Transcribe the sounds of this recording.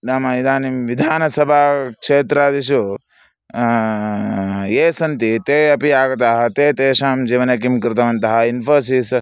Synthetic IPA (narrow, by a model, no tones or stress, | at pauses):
d̪aːmɐid̪aːnimʋid̪ʱaːnɐsɐbʱaːkʂeːt̪ɾaːd̪iʃu | eːsɐnt̪it̪eːɐpiaːɡɐt̪̬aːɦɐt̪eːt̪eːʃaːmd͡ʒiːʋɐnɐkimkɾɪt̪ɐʋɐnt̪ɐɦɐinfɐːɾsiːs